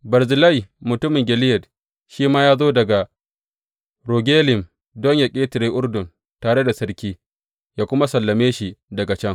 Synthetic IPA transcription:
bɐ˨ɾzɪ˨lɐ˦jmʊ˨tʊ˦mɪ˨ŋɡʲɪ˨lɪ˦jɛ˨d | ʃiː˦maː˦jaː˦zoː˦dɐ˨ɡa˨ | ɾoː˨ɡʲeː˦lɪ˨m | dɔ˦ɲja˨kʲʼeː˦tɪ˨ɾeː˦ʔʊ˦rdʊ˨n | taː˨ɽe˦da˨sɐ˦ɾkʲiː˦ | jaː˦kʷʊ˦ma˦sɐ˨lːɐ˨meː˦ʃi˦dɐ˨ɡa˨t͡ʃɛ˦ŋ

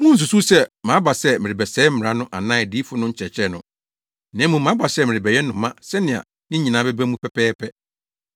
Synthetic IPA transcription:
mũ˦n̩˨s̬u˨su˦sɛ˦mã˨˦ba˨sɛ˦mɪ˨ɾɪ˨bɛ˨sɛː˨˦m̩˦m̩˨ɾa˦nʊ̃˦ʔa˨nã˦˨diː˨˦fʊ˦nʊ̃˦ɲ̩˦t͡ɕʰɛ˨t͡ɕʰɾɛ˨nʊ̰̃˨ | nɛ̃˨˦mũ˨mã˨˦ba˨sɛ˦˨mɪ̃˨ɾɪ˨bɛ˨jɛ˦nː˦ʊ̃˨mã˦sɛ˦nɪ̃˨a̰˨ | nɪ̃˦ɲĩ˨nã˨˦bɛ˦bæ˦mũ˦pʰɛ˦pʰɛː˦pʰɛ˦

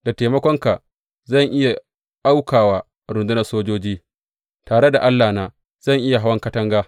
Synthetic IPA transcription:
da˨teː˨mɐ˦kʷɔ˦ŋka˨ | zɐ˦˨ŋʔɪ˦ja˨ | ʔa˦wkaː˨waː˦ | ɾʊ˨ndʊ˦nɐ˨soː˦d͡ʒoː˦d͡ʒiː˦ | taː˨ɽe˦da˨ʔa˦lːaː˨naː˨ | z̥ɐ˦˨ŋʔɪ˦ja˨ɦa˦wɐ˦ŋkɐ˦tɐ˦ŋɡaː˦

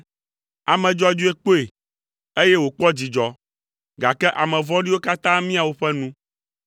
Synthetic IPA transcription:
a˨mɛ̃˨d͡ʒɔ˦a˦˨d͡ʒu˦e˦k͡po˦e˨ | e˦jɛ˦wo˨k͡pɔ˦d͡ʑi˨d͡ʒɔ˨ | ɡa˨kɛ˦ʔa˨mɛ̃˨vɔ̃˦ɖi˦wo˦ka˦t̪ã˦mĩ˦a˨wo˦ɸɛ˦nũ˦

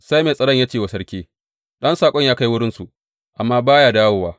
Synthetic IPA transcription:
sa˦jmeː˨sʼɐ˨ɽɐ˦˨ɲjaː˦t͡ʃeː˨wa˨sɐ˦ɽkʲiː˦ | ɗɐ˦nsaː˨kʷʼɔ˦ɲjaː˦ka˦jwʊ˦ɽɪ˦nsu˨ | ʔa˨mːaː˦baː˦jaː˨daː˦woː˦waː˦

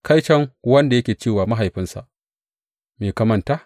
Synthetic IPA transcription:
kʰa˦jt͡ʃɛ˦ŋwɐ˦nda˨jɐ˦kʲeː˨t͡ʃeː˦˨waː˨ma˦ɦa˨jɸɪ˦nsa̰˨ʔ | meː˨kɐ˨mɐ˨ntaː˦

